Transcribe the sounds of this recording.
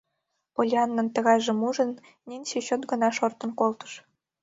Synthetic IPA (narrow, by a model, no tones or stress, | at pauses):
polʲiɑnːɤ̆nt̪ə̆ɣɑjʒĕmuʒɤ̆n | nʲinʲsiɕot̪ɡɤ̆nɑʃort̪ɤ̆nkolt̪ɤ̥̆ʃ